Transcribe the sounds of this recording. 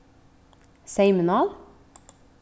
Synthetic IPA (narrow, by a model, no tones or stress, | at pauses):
seɪmənɑːl